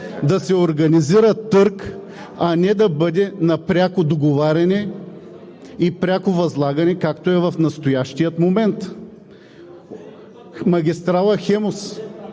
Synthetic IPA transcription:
d̪ɐsɛoɾɡɐniziɾət̪ɤɾk | ɐnɛd̪ɐbɤd̪ɛnɐpɾʲakod̪oɡovaɾʲɐnɛ | ipɾʲakovɐzlˠaɡɐnɛkakt̪oɛvɐfnɐst̪ojaʃt̪ijət̪momɛnt̪ | mɐɡʲist̪ɾalˠɐxɛmos

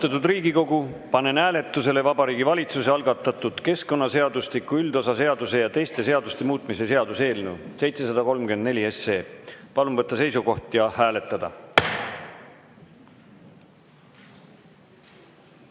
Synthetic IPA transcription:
t̪ɑt̪ːˑud̪riːɡ̥iko̞ɡupɑnenæːle̞t̪ˑːuse̞le̞vɑbɑɾiːɡivɑlʲit̪suse̞ɑlɡ̥ɑt̪ːˑɑt̪ːˑud̪̥ke̞sko̞nːɑse̞ɑd̪̥uslikːˑuyld̪̥o̞sɑse̞ɑd̪use̞jɑt̪e̞jst̪e̞se̞ɑd̪ust̪e̞muːt̪ˑmise̞se̞ɑd̪use̞ːlnuse̞jt̪se̞sɑd̪̥ɑko̞lmkyend̪ne̞lʲie̞sːe̞ːpɑlumvɤt̪ːˑɑse̞jsuɡo̞ht̪jɑhæːle̞t̪ːˑɑd̪̥ɑ̰

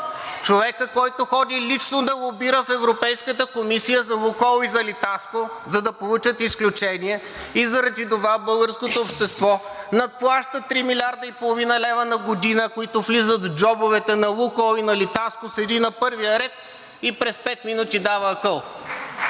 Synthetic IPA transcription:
t͡ʃovɛkəkɔjt̪ʊxɔd̪ʲilit͡ʃnod̪ɐlˠʊbiɾəfɛvɾopɛjskət̪əkomisijəzɐlˠukɔlˠizɐlit̪asko | zɐd̪ɐpolˠut͡ʃət̪isklʲut͡ʃɛniɛ | izɐɾɐd̪id̪ovabɤlˠɡəɾskot̪oːpʃt̪ɛst̪vɔnɐt̪̚plˠaʃt̪ət̪ɾimilʲaɾd̪əipolˠovinəlɛvənɐɡod̪inəkoit̪ʊflizət̪vd͡ʒɔbovɛt̪ɛnɐlˠukɔlinɐlit̪askosɛd̪inɐpɤɾvijəɾɛt̪̚ | ipɾɛspɛt̪minut̪id̪avəːkɤlˠ

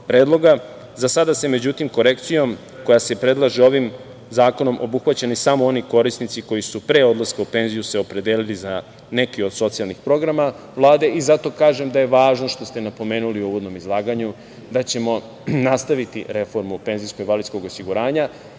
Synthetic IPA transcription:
pɾeːd̪lˠo̞ɡa | zasad̪ase̞me̞d͡ʑut̪imko̞ɾe̞kt̪sijo̞m | ko̞jase̞pɾe̞d̪lˠaʒeo̞ʋim | zaːko̞no̞mʔo̰buxʋat͡ɕanisamoo̞niko̞ɾisnit̪siko̞jisupɾe̞ːo̞d̪lˠaskaupe̞nzijuse̞o̞pɾe̞d̪eːliliza | ne̞kio̞d̪̥so̞t̪sialnixpɾo̞ɡɾama | vlˠaːd̪e̞ʔizat̪o̞kaːʒe̞md̪ajeʋaːʒno̞ʃt̪o̞st̪e̞napo̞meːnuliuʋo̞d̪no̞mizlˠaːɡaɲu | d̪at͡ɕe̞mo̞ | nast̪aʋit̪ḭɾe̞fo̞ɾmupe̞nzijskoɡiʋalid̪sko̞ɡo̞siɡuɾaːɲa

